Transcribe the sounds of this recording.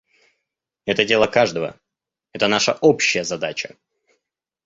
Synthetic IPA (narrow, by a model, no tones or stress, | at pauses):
ɛt̪ədʲe̞lˠəkaʐd̪əvə̰ | ɛt̪ənaʂəʔopɕːɪjəzɐd̪at͡ɕə